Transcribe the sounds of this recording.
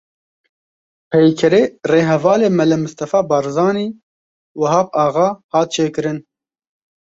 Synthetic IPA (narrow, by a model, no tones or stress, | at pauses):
pʰɛjkʰɛɾeːreːɦɛvɑːleːmɛlɨmʊst̪ɐfɑːbɑɾzɑːniː | wɐɦɑːp̚ɑːɣɑːhɑːt̪̚t͡ʃʰeːkɨɾɨn